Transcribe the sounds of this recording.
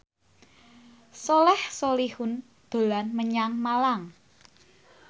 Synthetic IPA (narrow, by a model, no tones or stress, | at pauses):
sɔlɛhsolihʊn | d̪̥o̤lanməɲaŋmalaŋ